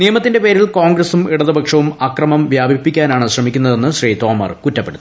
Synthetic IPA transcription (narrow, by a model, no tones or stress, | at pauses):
nijɐmɐt̪ːinde̞pe̞ːɾilkoːŋɡrɐsumiɽɐðɨbʱɐkʂɐʋumɐkrɐmɐmʋjaːbʱipːikʲːaːnaːɳɨɕrɐmikʲːunːɐðe̞nːɨɕriːt̪o̞ːmɐ̰rkutːɐpːeɽut̪ː